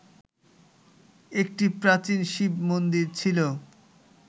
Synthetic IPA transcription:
ek̚ʈipɾat͡ɕinʃibmond̪iɾt͡ɕʰilo

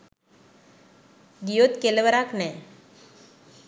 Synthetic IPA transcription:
ɡijot̪keləʋəɾaknɛ

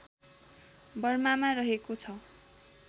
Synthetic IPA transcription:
bʌrmamarʌɦekot͡sʰʌ

